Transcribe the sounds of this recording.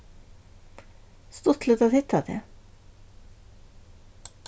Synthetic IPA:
st̪oːt̪ʰl̩oːt̪ʰɑːhɪt̪ʰɑt̪ʰḛː

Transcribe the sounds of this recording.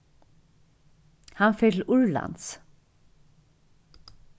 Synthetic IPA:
hanfɛt̪ʰɪlʊɹla̰nt̪s

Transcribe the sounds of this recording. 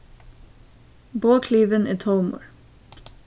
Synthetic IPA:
boːkʰliːʋənʔiːt̪ʰɔʊmʊ̰ɹ

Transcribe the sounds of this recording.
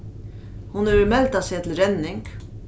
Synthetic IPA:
hʊnœɾmɛlt̪asɛt̪ʰlɾɛnːɪŋk

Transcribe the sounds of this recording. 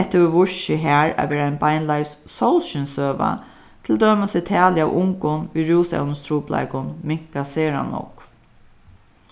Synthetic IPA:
ɛht̪ːəɪʋʊɹʃɪɦæːɹa̰ʋɛːɾaaɪnbajnlajssowlʃɪnsøːʋa̰ | t̪ʰɪld̪œːmasɪt̪ʰæːlɪawʔʊŋkʊnʋiːɹuːsɛ̰wnst̪ʰɾuːpla̰ɪkʊnmɪŋ̥kaseːɾa̰nɔ̰k

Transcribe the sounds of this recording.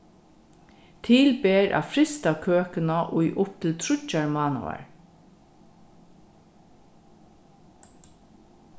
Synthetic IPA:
t̪ʰɪːlbeːɹʔa̰fɾɪst̪akʰøːkənaʔʊjʔʊp̚t̪ʰɪlt̪ʰɾʊt͡ʃːaɹmɑːnṵa̰ɹ

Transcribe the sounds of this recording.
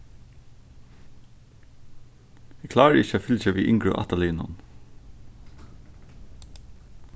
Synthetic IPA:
ɛkʰlɑːɹəɪçəɛfʏlçəʋḭːʔɪŋkɹʊ̰ʔɑ̰t̪ɑliːnʊ̰n

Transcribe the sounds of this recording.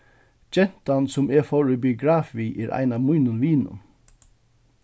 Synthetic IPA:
d͡ʒɛn̥t̪ansʊmɛːfɔɹybɪʊɡɾɑːfiːʔeːɾʔæ̰ɪnɑːmʊːnʊnʋiːnʊ̰n

